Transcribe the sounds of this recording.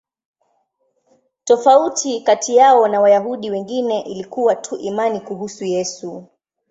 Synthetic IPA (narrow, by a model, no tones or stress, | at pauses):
tɔfautʰikatʰijaɔnawajaɦuɗiwɛŋɡinɛʔilikuwatʰuʔimanikuɦusujɛsu